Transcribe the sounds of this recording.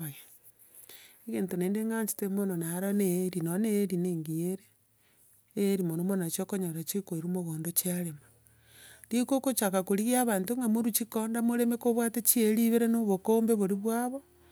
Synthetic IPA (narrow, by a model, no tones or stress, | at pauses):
oja | eɣeːntoneːndeŋɡaɲt͡ʃi̥temononaɾoneɾinoneɾineːŋɡieɾe | eɾimonomonat͡ʃiokoɲoɾat͡ʃekoiɾumoɣoːndot͡ʃiaɾema | dikokot͡ʃakakoɾiɣiaβaːntoŋɡamoɾut͡ʃikondamoɾemekoβwatet͡ʃieɾiβeɾenoβokoːmbeβoɾiβwaβo